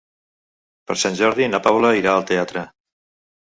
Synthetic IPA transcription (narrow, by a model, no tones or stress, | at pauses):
pəɾsanʲʒɔɾðinapaβləiɾaəlˠt̪eat̪ɾə